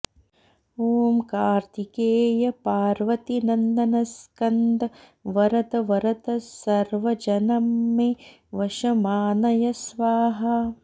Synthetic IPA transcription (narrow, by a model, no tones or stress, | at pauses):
oːmkaːɾt̪ʰikeːjɐpaːɾʋɐt̪inɐnd̪ɐnɐskɐnd̪ɐ | ʋɐɾɐt̪ɐʋɐɾɐt̪ɐsɐɾʋɐd͡ʒɐnɐmːe | ʋɐʃɐmaːnɐjɐsʋaːɦɐ